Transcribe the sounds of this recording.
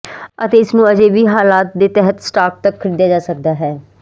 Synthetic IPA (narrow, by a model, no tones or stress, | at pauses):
ət̪eːɪsnũːəd͡ʒeːʋiːɦaːlaːt̪̚d̪eːt̪ɛɦət̪sʈaːk̚t̪əkʰːəɾiːd̪jaːd͡ʒaːsək̚d̪aːɦɛː